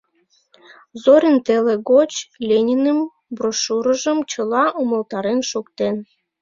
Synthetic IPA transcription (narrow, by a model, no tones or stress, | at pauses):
zoɾʲənt̪eleɣot͡ɕlʲenʲinəm | broʃuɾəʒəmt͡ɕəlɑʔuməlt̪ɑɾenʃukt̪en